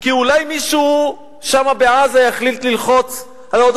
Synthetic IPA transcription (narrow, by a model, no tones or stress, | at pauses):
kiulajmiʃu | ʃamabeʕazajaχlilt̪lilχot͡s | alod̪